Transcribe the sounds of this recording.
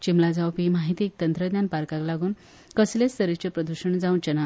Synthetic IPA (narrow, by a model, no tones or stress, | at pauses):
t͡ɕimlad͡zawpiːmaɦit̪iːk̚t̪ənt̪ɾəd̪njanpaɾkãklaɡuːn | kəslest̪əɾit͡ɕepɾəd̪uɕəɳd͡zaunt͡ɕəna